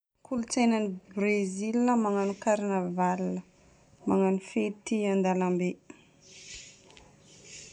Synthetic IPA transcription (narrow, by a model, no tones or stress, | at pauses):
kʰulut͡senanibrezilnəmaŋanukaɾinavalnə | maŋanifet̪iand̪alambe